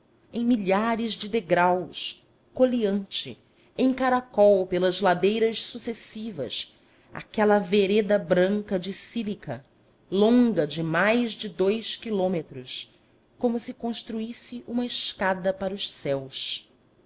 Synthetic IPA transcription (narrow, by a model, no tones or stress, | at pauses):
ẽj̃miʎaɾɪzd͡ʒɪd̪eɡɾaws | koliɐ̃nt͡ʃɪ̰ | ẽj̃kaɾakɔwpelɐzlad̪ejɾɐʃsusesivɐ̰s | a̰kɛlɐveɾed̪ɐbɾɐ̃ŋkɐd͡ʒɪsilikɐ | lõŋɡɐd͡ʒɪmajzd͡ʒɪd̪ojʃkilõmet̪ɾʊs | kõmʊsɪkõʃt̪ɾuisɪʔũmɐɪʃkad̪ɐpaɾʊʃsɛws